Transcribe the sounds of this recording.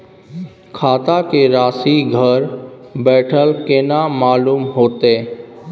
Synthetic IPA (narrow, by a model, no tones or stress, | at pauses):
kʰaːt̪akeɾaːsiɡʱəɾbɛːʈʰəlkenamaːluːmɦoːt̪e